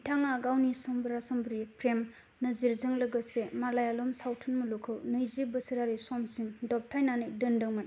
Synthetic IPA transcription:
itʰaŋaɡawnisɔmbɯɾasɯmbɾipʰɾem | nɐziɾzɯŋlɯɡɯsemalajalɔmsawtʰɯnmɯlukʰɯwnɯjzibɯsɯɾaɾisɔmsiŋdɔp̚tʰajnanɯjdɯndɯwman

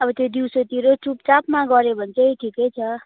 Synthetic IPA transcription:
ʌbʌt̪jod̪iwsot̪iɾot͡sup̚t͡sapmaɡʌɾebʱʌnt͡sʰʌʈʰikejt͡sʰʌ

